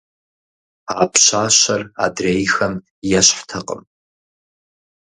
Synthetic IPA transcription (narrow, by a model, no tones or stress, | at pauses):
aːpʰɕaːɕɐra̰dreːjxɐm | jɛɕħtʰɐqʼə̰m